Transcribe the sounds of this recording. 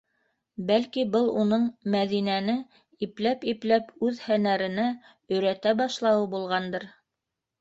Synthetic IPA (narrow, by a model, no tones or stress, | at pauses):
bælkibɤlˠunɤɴmæðinænɘ | iplæpiplæpʉðhænæɾɘ̆næ | ɵ̆ɾæt̪æbɑʃlˠɑwɤbulˠʁɑnd̪ɤɾ